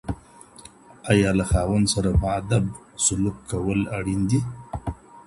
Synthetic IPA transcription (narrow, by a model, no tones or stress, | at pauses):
ajɑlaxɑwand̪saɾapəad̪ab̚ | sʊlukʰːawəlaɽind̪i